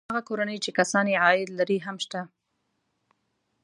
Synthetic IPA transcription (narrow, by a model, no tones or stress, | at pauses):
aɣakoɾanəjt͡ʃekasɑneʕɑɪd̪laɾiɦamʃt̪a